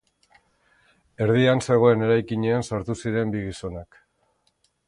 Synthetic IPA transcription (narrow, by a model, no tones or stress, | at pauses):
e̞ɾð̞ianse̞ɣ̞o̞e̞ne̞ɾajkiɲe̞ansaɾt̪usiɾe̞mbiɣiso̞nak